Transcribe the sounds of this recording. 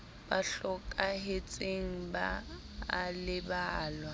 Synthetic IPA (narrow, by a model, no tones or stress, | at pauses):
b̥aɬɔkʼaɦet͡sʼeŋ̩baː | lɪbaːlwa